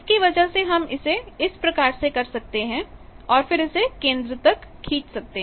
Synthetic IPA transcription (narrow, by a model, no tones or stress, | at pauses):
ɪskiʋɐd͡ʒəɦseɦɐmɪseɪspɾɐkaːɾsekɐɾsɐk̚t̪eɦɛ̃ɔːɾfɪɾɪsekẽːnd̪ɾət̪ɐkʰːiːt͡ʃsɐk̚t̪eɦ